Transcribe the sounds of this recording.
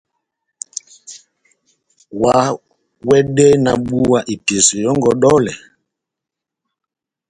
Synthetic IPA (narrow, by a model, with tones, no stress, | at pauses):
wa˨ | wɛ˦ɗɛ˦na˨ɓu˦wa˨ʔi˨ti˨si˨jɔ˦ŋɡɔ˨ɗɔ˦lɛ˨